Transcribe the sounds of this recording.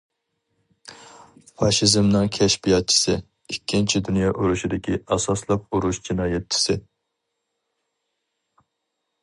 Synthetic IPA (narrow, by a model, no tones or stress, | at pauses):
fɑʃizmnɨŋkʲʰɛʃbijɑt̪̚t͡ʃʰi̥sɨ | ikʲʰːint͡ʃʰid̪unjɑʔuɾuʃid̪ɪkʲiɑsɑslˠɑp̚uɾuʃd͡ʒinɑːjɛt̪̚t͡ʃʰɪ̥sɪ